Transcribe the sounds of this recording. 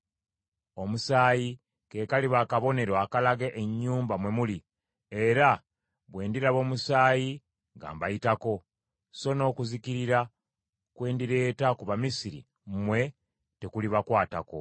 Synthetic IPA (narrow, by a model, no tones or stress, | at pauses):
o̞musaːji | ke̞kaliβaːkaβo̞ne̞ɾoakalaɡeʔeɲːuːmbamwe̞muli | e̞ɾa | βwe̞ːndiɾaβo̞ːmusaːji | ŋɡa̰ːmbaitako̞ | so̞no̞ːkuzikiɾiɾa | kwe̞ːndiɾe̞ːtakuβamisiɾḭ | mmwe̞ | te̞kuliβakwaːtako̞̰